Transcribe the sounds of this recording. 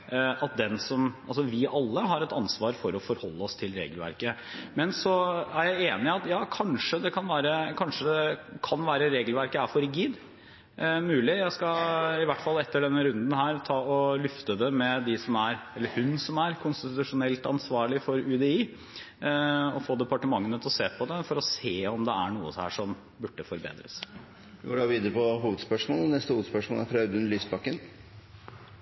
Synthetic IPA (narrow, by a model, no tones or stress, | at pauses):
ɑt̪̚d̪ɛnsɔmɑlsɔʋɪʔɑlːəɦɑɾɛt̪ɑnsʋɑːɾfɔɾɔfɔɾhɔlːəɔst̪ʰɪlɾḛːɡəlʋæ̰ɾkəmɛnsɔæɾjæɪeːnɪɑt̪jɑːkʰɑnʂəd̪ɛkʰɑnʋæːɾəkʰɑnʂəd̪ɛkʰɑnʋæːɾəɾeːɡəlʋæɾkəæfɔɾɪɡiːd̪ | mʉːlɪjæɪskɑɪʋæʈːfɑlːɛt̪ːəɖɛnːəɾʉnd̪n̩hæːɾt̪ʰɑːɔlʏft̪əd̪ɛmɛd̪ɪsɔmæɾɛlːəɾhʉnsɔmæɾkʰʊnst̪ɪt̪ʉʂʊnɛlt̪ɑnsʋɑːɭɪfɔɾʉːd̪ɛiː | ɔfoːd̪ɛpɑʈəmɑŋːənət̪ʰɔseːpʰɔd̪ɛfɔɾɔseːɔmd̪ɛæɳṵːə̰hæ̰ːʂɔm | bʉʈːəfɔɾbḛːd̪ɾə̰s | ʋɪɡoːɖɑːʋiːd̪əɾəpɔɦuːʋəd̪spœʂmoːlnɛst̪əhuːʋəd̪spœʂmoːlæɾfʰɾɑʉd̪ʉnlyːsbɑkːən